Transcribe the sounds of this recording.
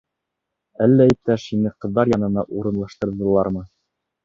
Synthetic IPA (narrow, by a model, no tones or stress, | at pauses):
ælːæip̚t̪æʃinɘqɤ̆ðːɑɾjɑnɤ̆nɑʔuɾɤ̆nlˠɑʃt̪ɤ̆ɾðɤ̆lˠɑɾmɤ